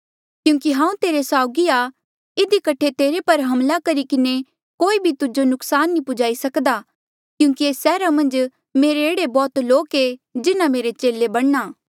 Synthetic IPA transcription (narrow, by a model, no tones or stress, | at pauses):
kjũːkiɦãːũt̪eːɾesaːʊɡia | ɪd̪ikɐʈʰet̪eːɾepɐɾɦɐmlakɐɾikɪne | koːibʱit̪ʊd͡ʒonʊksaːnːipʊd͡ʒaːisɐkd̪a | kjũːkieːsɛːɾamɐ̃nd͡ʒ | meːɾeeːɽebɔːt̪loːked͡ʒɪnãmeːɾet͡ʃeːlebɐɽnaː